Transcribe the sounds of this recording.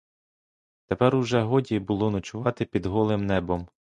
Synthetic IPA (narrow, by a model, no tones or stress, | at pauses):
t̪epɛɾwʒɛɦɔdʲibʊlˠɔnɔt͡ʃʊʋɑt̪ɪpʲid̪ɦɔlˠɪmnɛbɔm